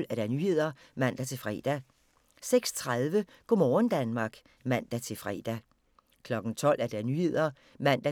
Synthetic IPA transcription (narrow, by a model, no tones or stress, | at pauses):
l̰æɐɾ̥æɐnyːhe̝ð̞̰ˠɐ | mæn̰d̥æt͡sʰe̝lfʁɛ̰ːd̥æ | seɡ̥st͡sʰʁaðˠʋə | ɡ̥ɒmɒːnd̥ænmɑ̈ːɡ̥ | mæn̰d̥æt͡sʰe̝lfʁɛ̰ːd̥æ | kʰlɒ̽ɡ̥n̩t͡sʰɒ̽l̰ʔæɐd̥æɐnyːhe̝ð̞̰ˠɐ | mæn̰d̥æ